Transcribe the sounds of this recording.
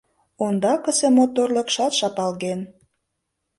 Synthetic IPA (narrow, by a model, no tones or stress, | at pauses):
ond̪ɑkə̆semot̪orlə̆kʃɑt̪ʃɑpɑlɣen